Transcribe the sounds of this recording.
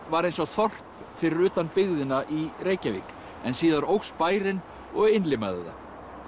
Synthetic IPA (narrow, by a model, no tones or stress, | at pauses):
vaɾejnsɔɣθɔr̥p | fɪɾɪɾʏːt̪anpɪɣðɪnːaʔiɾeːjcavḭːk | ɛnsiːðaɾowxspaːjɾɪn | ɔɣɪnlɪma̰ðɪ̰ða̰